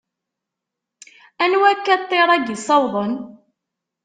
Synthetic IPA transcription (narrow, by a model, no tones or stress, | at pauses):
ænwækːæt̪ˤːeɾˤæɡisˤɑwðˤən